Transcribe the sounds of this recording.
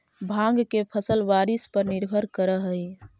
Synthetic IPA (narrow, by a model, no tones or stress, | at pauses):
bʱãŋɡkepʰəsəlʋaɾispəɾniɾbʱəɾkəɾəɦəj